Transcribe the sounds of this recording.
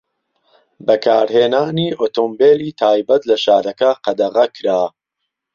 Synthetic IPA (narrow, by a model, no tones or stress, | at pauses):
bɐkʰaːɾheːnaːniːʔoːt̪ombeːliːt̪ʰaːjbɐt̪lɐʃaːɾɐkɐqɐd̪ɐʁɐkʰɾaː